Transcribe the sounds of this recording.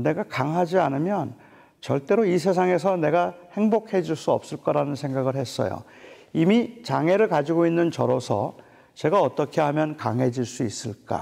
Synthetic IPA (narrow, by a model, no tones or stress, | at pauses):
ne̞ɡakaŋɦad͡ʑianɯmjʌn | t͡ɕʌɭt͈e̞ɾois̬ʰe̞s̬ʰaŋe̞s̬ʰʌne̞ɡahe̞ŋbokʰe̞d͡ʑuɭs͈uʌp̚s͈ɯɭk͈aɾanɯnsʰe̞ŋɡaɡɯɭhe̞s͈ʌ̰jo̰ | imit͡ɕaŋe̞ɾɯɭkad͡ʑiɡoinːɯnt͡ɕʌɾosʰʌ̰ | t͡ɕe̞ɡaʌt͈ʌkʰe̞ɦamjʌnkaŋɦe̞d͡ʑiɭs͈uis͈ɯɭk͈a̰